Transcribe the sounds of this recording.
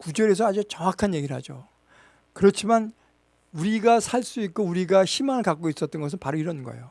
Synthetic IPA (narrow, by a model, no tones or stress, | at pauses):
kud͡ʑʌɾes̬ʰʌad͡ʑet͡ɕʌŋakʰanje̞ɡiɾɭhad͡ʑo̰ | kɯɾʌt͡ɕʰiman | uɾiɡasʰaɭs͈uik̚k͈ouɾiɡaɕʰimaŋɯɭkak͈ois͈ʌt̚t͈ʌnɡʌs̬ʰɯnpaɾoiɾʌnɯnɡʌḛjo